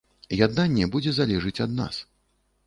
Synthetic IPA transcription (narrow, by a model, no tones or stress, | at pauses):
jad̪nanʲːɛbud͡zʲɛzalʲɛʐɨt͡sʲɐd̪na̰s